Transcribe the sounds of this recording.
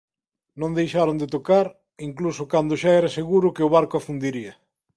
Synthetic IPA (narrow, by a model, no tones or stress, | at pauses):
nõŋd̪ejʃaɾond̪et̪okaɾ | iŋklusʊkand̪ʊʃaɛɾaseɣuɾʊkɪʊβ̞aɾkoafund̪iɾiɐ